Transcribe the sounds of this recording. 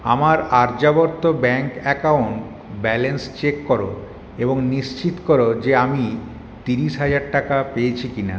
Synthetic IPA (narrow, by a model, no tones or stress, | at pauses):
a̰maɾaɾd͡ʑabɔɾt̪ːobɛŋkɛkauɳʈ | bɛlenst͡ɕekːoɾo | eboŋniʃt͡ɕit̪kɔɾod͡ʑeami | t̪iɾiʃɦad͡ʑaɾʈakapejet͡ɕʰikina